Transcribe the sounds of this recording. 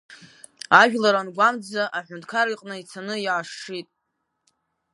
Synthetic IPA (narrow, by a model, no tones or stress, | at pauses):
aʒᶣlaɾanɡʷamd͡zaʔaħʷᶣʊntʰʼkʰaɾiqʼnɨit͡sʰanɨjʕaʂʂitʼ